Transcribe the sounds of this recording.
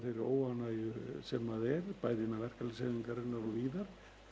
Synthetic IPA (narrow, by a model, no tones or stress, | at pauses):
θejɾʏoːwanajʏsɛmaðɛɾpaːjðɪnːavɛr̥kalɪsɛiŋkaɾɪnːaɾɔviːðaɾ̥